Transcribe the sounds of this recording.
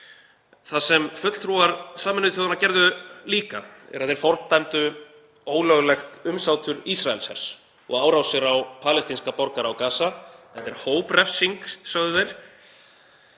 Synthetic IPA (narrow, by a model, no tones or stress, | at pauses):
θasɛmfʏt̪l̥θʰɾuaɾsaːmɪnʏθowðanacɛɾðʏliːkaɛ̰ɾaðɛɾ̥fɔɾt̪t̪ːajmt̪ʏ | oːwlœɣlɛxt̪ʏmsawt̪ʏɾisraɛ̰lsɛ̰ɾ̥s | ɔ̰ɣaːwɾawsɪɾawpʰaːlɛst̪inskapɔɾkaɾawkaːsaɛt̪ːɛɾ̥hoːwprɛfsiŋksaɣðʏvejɾ̥